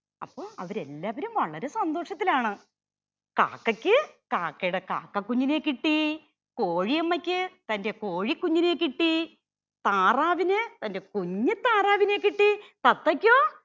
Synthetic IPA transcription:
ɐ̰pːoːɐ̰ʋɐɾe̞lːaːʋɐɾumʋɐɭɐɾe̞sɐnd̪o̞ːʂɐt̪ːilaːɳɨ | ka̰ːkːɐkʲːɨkaːkːɐjuɽeka̰ːkːɐkːuɲːineːkːiʈːi | koːɻijɐmːɐkʲːɨt̪ɐnde̞ko̞ːɻikːuɲːine̞ːkːiʈːi | t̪aːraːʋinɨt̪ɐnde̞kuɲːɨt̪ːaːraːʋine̞ːkːiʈːit̪ɐt̪ːɐkʲːoː

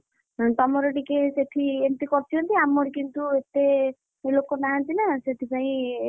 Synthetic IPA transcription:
t̪ɔmɔɾɔɖikeseʈʰient̪ikɔɾt͡ʃ̪ʰiɔnt̪iamɔɾikint̪uet̪e | elokɔnaɦant̪inaseʈ̪ʰipaĩ

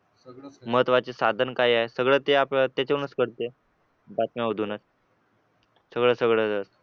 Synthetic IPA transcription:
məɦət̪ʋat͡ɕesad̪ʱənkaɦiːaɦesəɡɭəːt̪eapat̪jat͡ɕeunəskəɽt̪e | bat̪maəd̪ʱuːnət͡s | səɡɭəːsəɡɭəəs

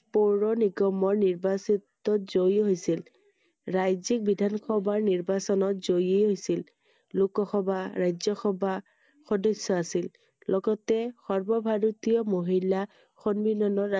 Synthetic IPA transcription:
poɹɔniɡɔmɔɹniɹbasitːɔtzojɦojsil | ɹajzik̚bidʱankʰɔbaɹniɹbasɔnɔtzojejɦojsil | lukɔxɔbʱaɹajzɔxɔba | xɔdɔsːɔasil | lɔɡɔtɛxɔɹbɔbʱaɹut̪ijɔmoɦila | xonbinɔnɔɹa

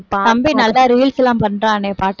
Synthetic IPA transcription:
k̪ɐmbinɐlːaːɾiːlsɛlãːmpɐnːɾãːneːpaːʈː

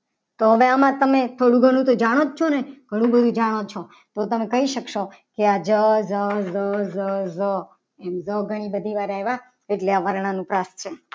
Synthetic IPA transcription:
t̪oɦəʋeamãt̪əmet̪ʰoɽũɡʱəɽ̃ũt̪od͡ʒaɽ̃ot̪t͡ʃʰoneɡ̥ʱəɽ̃ũbəd̪ʱũd͡ʒaɽ̃ot͡ʃʰo | t̪ot̪əmekəɦiʃəkʃo | kead͡ʒəzəzəzəzə | ɛmzəɡʱəɽ̃ibəd̪ʱiʋaɾɛɦʋa | eʈleaʋəɾɳ̃anũpɾast͡ʃʰe

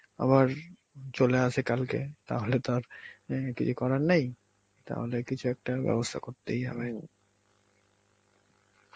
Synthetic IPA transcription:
a̰βaɾ | t͡ɕoleat͡ɕʰekalkḛt̪a̰ɦolet̪aɾkit͡ɕʰukɔɾaɾnej | t̪a̰ɦolekit͡ɕʰuɛk̚ʈabɛ̰bost̪ʰakoɾt̪ejabeni

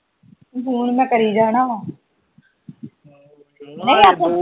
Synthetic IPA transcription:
ɦuːnmɛ̃ːkəɾiːd͡ʒaːɽ̃aːɦãː | nəĩːaːt̪ʰõː

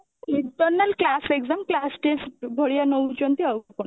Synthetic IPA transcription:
iʈɔɾnalklaseɡzamklasʈesbʱoɽijanowd͡ʑont̪iawkon

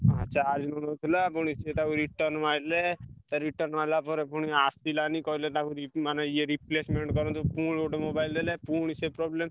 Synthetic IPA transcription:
a̰tːʃʰaaɾd͡ʒnɔnot̪ʰilapuɽ̃iset̪akuɾiʈɔɾnmalet̪ɔɾiʈɔɾnmalapɔɾepuɽ̃iasilanikɔilet̪akuɾimaneieɾiplesmeɳʈkɔɾɔnt̪ɔpuɽoʈemobajld̪elepuɽ̃isepɾɔblem

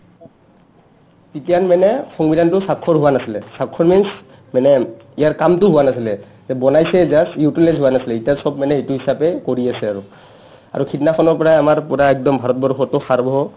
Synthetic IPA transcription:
pitijanmanɛxɔŋbidantʊsakʰːɔɹɦuwanasilɛsakʰːɔɹmins | manɛijaɹkamtʊɦuwanasilɛ | zɛbɔnajsɛzasjutilɛzɦuwanasilɛitasɔbmanɛɦituɦisapɛkoɹiasɛaɹu | a̰ɹukʰitinaxʰɔnɔɹpɔɹaamaɹpuɹaɛk̚dɔmbʱaɹɔt̚bɔɹxɔtɔxaɹbɔɔ

